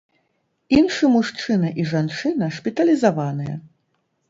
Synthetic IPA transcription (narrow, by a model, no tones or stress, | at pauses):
inʂɨmuʂt͡ʂɨnɐʔiʐant͡ʂɨnɐʂpʲit̪ɐlʲizavanɨjɐ̰